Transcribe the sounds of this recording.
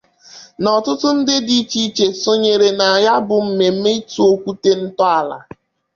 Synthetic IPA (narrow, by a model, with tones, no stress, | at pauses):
nɔ˨tʊ˦tʊ˦n̩˦dɪ˦di˦t͡ʃi˦t͡ʃe˨so˦ɲe˨ɾe˨na˨a˨ja˦bʊ˨m̩˦me˨m̩˦me˦i˦tu˦o˦kʷu˦te˦n̩˦tɔ˦a˨la̰˨